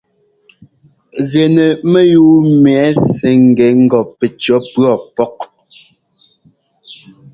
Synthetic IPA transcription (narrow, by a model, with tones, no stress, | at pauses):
ɣɛ˨nɛ˨mɛ˦juː˨˦m˨˦sɛ˨˦ŋ̩˨ɡɛ˨˦ŋ̩˦ɡɔ˨pɛ˨t͡ʃɔ˨˦pɰɔ˨pɔ˦k̚